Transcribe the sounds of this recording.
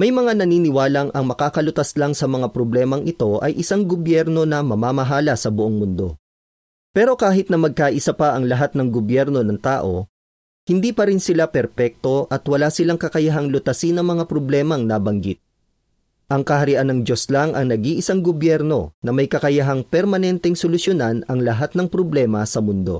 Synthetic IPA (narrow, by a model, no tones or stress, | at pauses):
mɐjmɐŋanɐniːnɪwaːlɐŋʔɐŋmɐkaːkɐlʊt̪ɐslaŋsɐmɐŋapɾoblɛːmɐŋʔɪt̪o̞ʔɐ̰jʔɪsaŋɡobjɛɾno̞nɐmɐmaːmɐɦaːlɐsɐbʊʔoŋmʊnd̪o̞̰ | pɛːɾo̞kaːɦɪt̪̚nɐmɐɡ̚kaːʔɪsɐpɐʔɐŋlɐɦat̪̚nɐŋɡobjɛɾno̞nɐŋt̪a̰ːʔo̞ | hɪnd̪iːpɐɾɪnsɪlapɛɾpɛk̚t̪o̞ʔɐt̪wɐlaːsɪlaŋkɐkɐjɐɦaŋlʊt̪ɐsinɐŋmɐŋapɾoblɛːmɐŋnaːbɐŋɡit̪̚ | ʔɐŋkɐhɐɾɪʔanːɐŋd̪jo̞slaŋʔɐ̰ŋnɐɡiʔɪsaŋɡobjɛɾno̞̰nɐmɐjkɐkɐjɐɦaŋpɛɾmɐnɛnt̪ɛŋsolʊsjonanɐŋlɐɦat̪̚nɐŋpɾoblɛːmɐsɐmʊnd̪o̞̰